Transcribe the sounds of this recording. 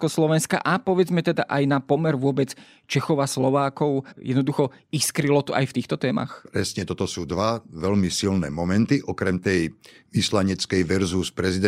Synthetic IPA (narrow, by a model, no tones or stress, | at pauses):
kɔslɔʋɛnska̰ʔapɔʋɛd͡zmɛt̪ɛd̪a̰ʔajnapɔmɛɾʋʊɔbɛt͡s | t͡ʃɛxɔʊaslɔʋaːkɔʊjɛd̪nɔd̪uxɔiskɾilɔt̪ɔʔajft̪iːxt̪ɔt̪ɛːma̰xpɾɛsɲɛt̪ɔt̪ɔsuːd̪ʋaʋɛlmisilnɛ̰ːmɔmɛnt̪iʔɔkɾɛmt̪ɛjʋislaɲɛt͡skɛjʋɛɾzuspɾɛzid̪ɛ